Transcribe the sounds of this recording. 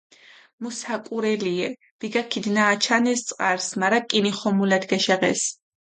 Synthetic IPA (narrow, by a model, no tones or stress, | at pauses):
musakʼuɾɛliɛ | b̥iɡakʰid̪naːt͡ʃʰanɛst̪sʼqʼaɾsmaɾakʼiniχɔmulad̪ɡɛʃɛʁɛ̰s